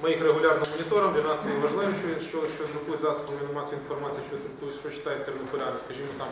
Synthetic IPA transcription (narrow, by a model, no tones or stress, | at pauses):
mɪjixreɦʊlʲɑrnɪmːɔnʲɪt̪ɔɾɐmdlʲɐnɑst̪sɛjɛʋɐʒlˠɪʋiʃt͡ʃɔʋinʃt͡ʃɔʃt͡ʃɔd̪ɾʊkujʊzɑsʊ̥bɐlˠʋinmɑsʲɐinfɔrmat͡sʲijɐʃt͡ʃɔd̪ɾʊkujʲʃt͡ʃɔt͡ʃːɪ̥t̪ɑjɪt̪ːernɪkʊlʲanɐskɐʒʲimɔt̪ɑm